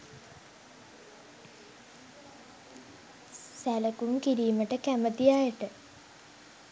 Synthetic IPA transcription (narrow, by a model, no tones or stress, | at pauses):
sæləkumkiɾiːməʈəkæmət̪ijaːjəʈə